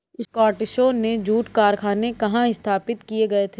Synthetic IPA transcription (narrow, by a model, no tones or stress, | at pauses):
ɪskaːɾʈɪʃoːned͡ʒuːʈkaːɾkʰaːnekɐɦãɪst̪ʰaːpɪt̪kieɡɐet̪ʰeː